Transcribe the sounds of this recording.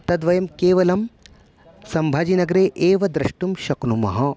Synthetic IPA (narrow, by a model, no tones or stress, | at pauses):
t̪ɐd̪ʋɐjɐmkeːʋɐlɐm | sɐmbʱaːd͡ʒinɐɡɐɾeːʔeːʋɐd̪ɾɐʂʈumʃɐknumɐ̰ɦɐ